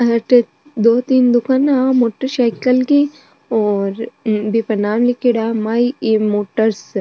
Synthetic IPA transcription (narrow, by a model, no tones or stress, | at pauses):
ɐʈe | d̪oːt̪iːnd̪ʊkaːnaːmoːʈəɾʃajkɐlki | oːɾbipɐnaːmlikiɽaːmaimoːʈəɾs